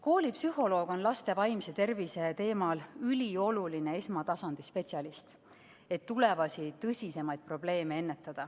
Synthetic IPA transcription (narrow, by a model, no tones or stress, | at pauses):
ko̞ːlʲipsyho̞lo̞ːɡ̥o̞nlɑst̪e̞vɑjmse̞t̪e̞rvise̞t̪e̞ːmɑlylʲio̞luline̞esmɑt̪ɑsɑnd̪̥ispe̞t̪siɑlist̪ | e̞t̪ːule̞vɑsit̪ɤsʲise̞mɑjd̪̚pro̞b̥le̞ːme̞e̞nːe̞t̪ːˑɑd̪̥ɑ